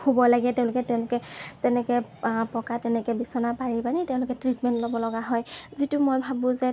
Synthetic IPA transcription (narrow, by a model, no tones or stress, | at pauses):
hobɔlaɡɛtɛ̃ʊ̃lʊkɛtɛʊ̃lʊkɛtɛnɛkɛpɔkatɛnɛkɛbisɔnapaɹipanitɛʊ̃lʊkɛtɹitmɛntlobɔlɔɡaɦɔjzitʊmojbʱabʊ̃zɛ